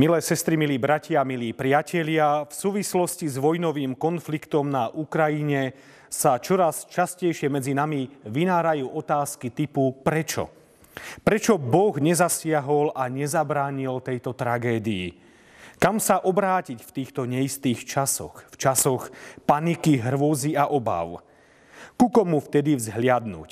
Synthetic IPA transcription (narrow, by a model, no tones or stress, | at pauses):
milɛːsɛst̪ɾimiliːbɾacɪaamiliːpɾɪacɛʎɪafsuːʋislɔscizʋɔjnɔʋiːmkɔnflikt̪ɔmnaʔukɾajiɲɛ | sat͡ʃɔɾast͡ʃascɛjʃɪɛmɛd͡zinamiʋinaːɾajuːʔɔt̪aːskit̪ipupɾɛt͡ʃɔ̰ | pɾɛt͡ʃɔbɔɣɲɛzasɪaɦɔlʔaɲɛzabɾaːɲilt̪ɛjt̪ɔt̪ɾaɡɛːd̪iː | kamsaʔɔbɾaːcicft̪iːxt̪ɔɲɛjist̪iːxt͡ʃasɔ̰xft͡ʃasɔxpanikiɦrʋɔziaʔɔba̰ʊ | kukɔmuft̪ɛd̪ivzɦlɪad̪nṵc